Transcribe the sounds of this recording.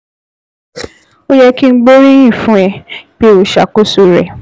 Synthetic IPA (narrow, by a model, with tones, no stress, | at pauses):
o˦jɛ˦ki˦n̩˦ɡ͡bo˦ɾi˦jĩ˦˨fũ˦ɛ˨be˦wo˨ʃa̰˨ko˦su˦ɾḛ˨